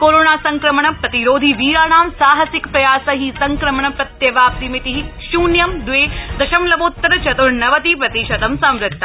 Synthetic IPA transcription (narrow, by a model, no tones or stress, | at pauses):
koːɾoːnaːsɐŋkɾɐmɳɐpɾɐt̪iɾoːd̪ʱiʋiːɾaːɳaːmsaːɦɐsɪkpɾɐjaːsɐɦisɐŋkɾɐmɐɳɐpɾɐt̪jɐʋaːp̚t̪imit̪iɦi | ʃuːnjɐmd̪ʋeːd̪ɐʃɐmlɐʋoːt̪ːɾɐt͡ʃɐt̪uɾnɐʋɐt̪ipɾɐt̪iʃɐt̪ɐmsɐ̃mɾɪt̪ːɐ